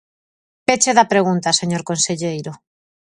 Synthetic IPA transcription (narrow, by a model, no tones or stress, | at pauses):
pet͡ʃeðapɾeɣ̞unt̪aseɲoɾkonseʎejɾo